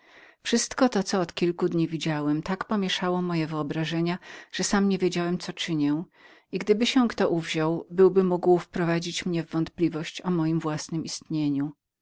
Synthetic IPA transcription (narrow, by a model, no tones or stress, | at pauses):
fʂɘst̪kɔt̪ɔt̪sɔːt̪kʲilkud̪ɲivʲid͡ʑawɛmt̪akpɔmʲjɛʂawɔmɔjɛvɘɔbɾaʐɛɲaʐ̥ɛsamɲevʲjed͡ʑawɛmt̪sɔt͡ʂɘɲɛw | iɡd̪ɘbɘɕɛkt̪ɔʔuvʑawbɘwbɘmuɡwfpɾɔvad͡ʑit͡ɕmɲɛvːɔnt̪̚plʲivɔɕt͡ɕɔmɔjimvwasnɘmist̪ɲeɲu